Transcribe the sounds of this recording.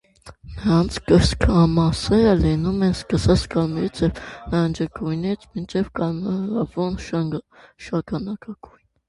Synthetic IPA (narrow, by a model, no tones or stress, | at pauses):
nəɾɑnt͡sʰkəɾskʰɑmɑsɛɾəlɛnumɛnskəsɑt͡sʰkɑlmɛɾit͡sʰjɛvnɑnd͡ʒəkujnɛt͡sʰmint͡ʃʰɛvkɑlmɾɑvɔnʃɑŋʃɑkʰɑnɑkɑkujn